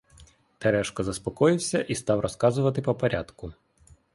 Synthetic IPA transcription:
t̪ɛɾɛʃkɔzɐspɔkɔjɪwsʲɐʔist̪ɑwrʔɔskɑzʊʋɐt̪ɪpɔpɐɾʲʔa̰d̪kʊ

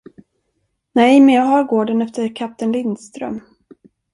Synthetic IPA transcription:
nɛmɛɑɦɑɾɡoːɖənɛft̪əɾkʰap̚t̪ənlɪnd̪st̪ɾœ̰m

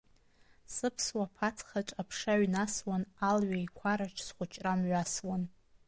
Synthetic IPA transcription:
sɨpʰswapʰat͡sʰχaʈ͡ʂʼapʰʂaɥnaswanalɥaikʷʰaɾaʈ͡ʂʰsχʷʊt͡ʃʰʼramɥaswan

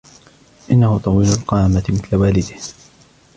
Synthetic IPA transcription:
ʔɪnːahʊt̪ˤɑwiːlalqɑːmat̪ɪmɪθlawaːlɪd̪ɪh

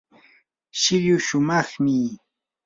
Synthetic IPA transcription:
ʃɪʎʊʃʊmɑχmɪ

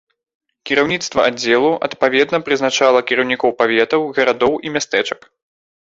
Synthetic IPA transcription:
kʲiɾawnʲit̪st̪vɐ̰ʔad͡zʲːɛlˠuʔɐ̰t̪pavʲɛd̪nɐpɾɨznat͡ʂalˠɐkʲiɾɐwnʲikɔwpavʲɛt̪ɐwɣɐɾad̪ɔwʔimʲast̪ɛt͡ʂɐ̥k

